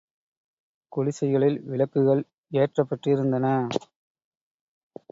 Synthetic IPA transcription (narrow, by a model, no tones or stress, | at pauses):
kʊɻɪsɐɪɣɐɭɪlʋɪlɐkːɯɣɐɭ | eːʈrɐpːɐʈrɪɾɯnd̪ɐnɐ